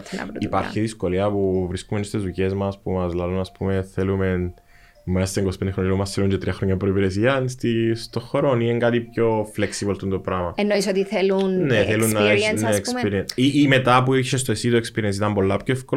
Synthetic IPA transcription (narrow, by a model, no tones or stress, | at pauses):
nɐ̰ɾuipɐ̰ɾçiðisko̞liɐpuvɾiskumenist̪ezuce̞zmɐspumɐzlɐlunɐspume̞θelumen | mɐst̪eŋɡosi̥pnd̪eɾonlmɐsθeluɲd͡ʒet̪ɾiɐxɾoɲːɐpɾoipiɾesiɐnst̪ist̪oxoɾonineŋɡat̪ipço̞fleksivolt̪unt̪opɾɐmɐenoisot̪iθelunneθelunːɐneekspiɾieniime̞t̪ɐpuiçʃest̪oesit̪oekspiɾiens̬it̪ɐmpo̞lːɐpçoefko